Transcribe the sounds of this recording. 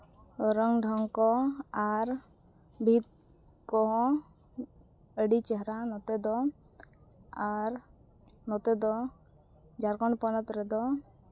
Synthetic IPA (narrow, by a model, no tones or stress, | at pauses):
ɾəŋɖʱɔŋkɔaɾ | bʱit̪̚ | kɔɦɔ̃ | əɖit͡ʃɛɦɾanɔt̪ɛd̪ɔ | aɾ | nɔt̪ɛd̪ɔ | d͡ʒaɾkɔɳpɔnɔt̪ɾɛd̪ɔ